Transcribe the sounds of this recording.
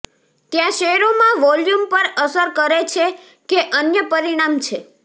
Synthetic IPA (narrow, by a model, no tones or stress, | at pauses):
t̪jãʃeɦɛɾomãʋɔljumpəɾəsəɾkəɾet͡ʃʰe | keʔənjəpəɾiɽ̃amt͡ʃʰe